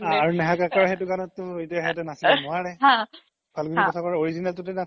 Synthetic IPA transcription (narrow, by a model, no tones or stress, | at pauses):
aaɹunɛɦakakaɹɦɛtʊkanɔtːʊetiaɦɛtɛnasinuaɹɛ̃ | b̥ʰʱalɡʱinikɔtʰakɔɹɛoɹizinaltʊtɛna